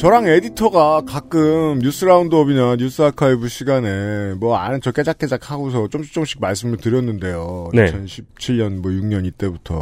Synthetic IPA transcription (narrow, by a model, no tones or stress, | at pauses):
t͡ɕʌɾaŋe̞ditʰʌɡakak͈ɯmɲus͈ɯɾaundoʌbinaɲus͈ɯakʰaebuɕʰiɡane̞mwʌa̰nɯnt͡ɕʌk͈e̞d͡ʑak͈̚e̞d͡ʑak̚ʰhaɡos̬ʰʌt͡ɕ͈omɕʰi̥t͡ɕ͈oŋɕ͈ʰi̥k̚maɭs̬͈ɯmɯɭtɯɾjʌnːɯnde̞jonet͡ɕʰʌnɕʰip̚t͡ɕʰiɭɲʌnmʌjuŋɲʌɲit͈e̞butʰʌ̰